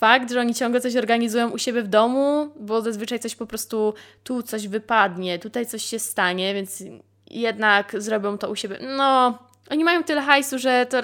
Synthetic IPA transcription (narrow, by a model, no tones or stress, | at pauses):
fakt̪ʐɛɔɲit͡ɕɔ̃ŋɡlɛt̪sɔɕ̬ɔɾɡaɲizujɔ̃w̃ʔuɕebʲjɛvd̪ɔmubɔzazvɘt͡ʂajt̪sɔɕpɔpɾɔst̪ut̪ut̪sɔʑvɘpad̪ɲɛt̪ut̪ajt̪sɔɕɕɛst̪aɲɛvʲjɛns | jɛd̪nakzɾɔbʲjɔ̃w̃t̪ɔuɕebʲjɛnɔ | ʔɔɲimajɔ̃w̃t̪ɘlɛxajsuʐɛt̪ɔ